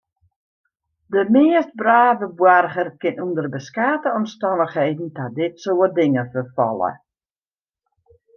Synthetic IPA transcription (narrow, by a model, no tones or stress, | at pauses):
dəmɪəst̚braːvəbwarχərkɪnundərbəskaːtəɔmstɔnəχhejdn̩tadɪtsoːədɪŋəfərfɔ̰lˠə̰